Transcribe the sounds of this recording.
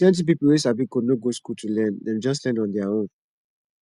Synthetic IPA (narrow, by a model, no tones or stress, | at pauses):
ɛ̃nt̬ĩp̬ipulwesabikonoɡoskultʰulɛ̃ndɛ̃nd͡ʒɔs̬lɛ̃ndɔ̃ndɛaõn